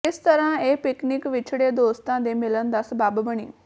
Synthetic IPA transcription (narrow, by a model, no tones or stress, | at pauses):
ɪst̪əɾãeːpɪknɪkʋɪt͡ʃʰɽed̪oːst̪ãːd̪emɪlənd̪aːsɐbaːbbəɽ̃ḭː